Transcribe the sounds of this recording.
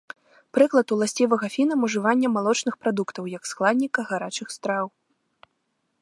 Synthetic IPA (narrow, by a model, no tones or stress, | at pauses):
pɾɨklˠɐt̪ulˠasʲt͡sʲivɐɣɐfʲinɐmuʐɨvanʲːɐmalˠɔt͡ʂnɨxpɾad̪ukt̪ɐwjɐksklˠad̪ʲnʲikɐɣaɾat͡ʂɨxst̪ɾaw